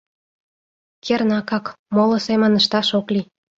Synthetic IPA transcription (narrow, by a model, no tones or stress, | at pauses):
kʰernɑkɑkmolŏsemə̆nə̆ʃt̪ɑʃokli